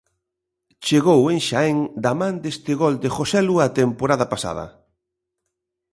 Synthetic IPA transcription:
t͡ʃeɣowẽŋʃaɛŋd̪amãnd̪est̪ɪɣɔld̪exosɛluat̪empoɾaðɐpasa̰ð̞ɐ̰

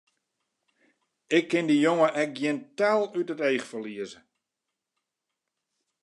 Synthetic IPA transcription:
ɪkʰːɪndijoŋəʔɛk̚ɡjɪntɛlˠytətejxfəliəzə

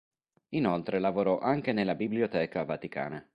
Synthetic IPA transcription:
inolt̪ɾelavoɾɔʔaŋk̟enelːabibliot̪ɛːkavat̪ika̰ːna

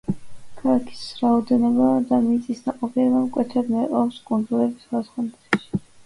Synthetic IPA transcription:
kʰalakʰi̥sɾaɔd̪ɛnɔbad̪amit̪sʼisnaqʼɔpʰiɛbamkʼwɛt̪ʰɛbmɛqʼɔpskʼund̪zulɛbisɡasχɔnt̪ɾɛ̥ʃi̥

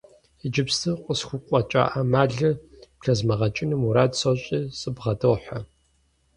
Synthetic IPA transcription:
əd͡ʒɪpstʰɨqʷʼʊsxʷʊkʷʼɔt͡ʃʼa̰ːʔɐmaːɮɨ | pɬɐzmɐʁɐt͡ʃʼɪnɨmuɾaːtsoɕʼiːsʼɨbʁɐdowħɐ

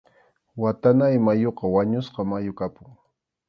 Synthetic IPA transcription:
wat̪anajmajoqɑwaɲʊsqɑmajʊkapʊŋ

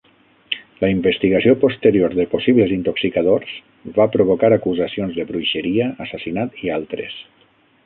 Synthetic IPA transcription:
ləimbəst̪iɣasiopost̪əɾioɾðəposiβlezint̪oksikaðorz̥ | βapɾoβokaɾakuzasionzðəβɾujʃəɾiəːsasinat̪ialˠt̪ɾḛs

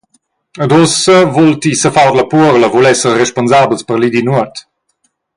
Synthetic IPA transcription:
əd̪ɔsəvɔlt̪isəfawdləpuəɾləvulɛsərɛʃponzablspəɾlid̪inuət̪

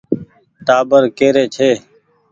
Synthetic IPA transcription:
ʈ̪aːbəɾkeːɾeːt͡ʃʰeː

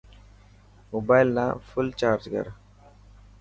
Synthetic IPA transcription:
mobaːjlnafʊlt͡ʃaːɾd͡ʒkə̰ɾ

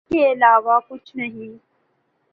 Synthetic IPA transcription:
keɪlaːʋakʊt͡ʃʰnɐɦĩː

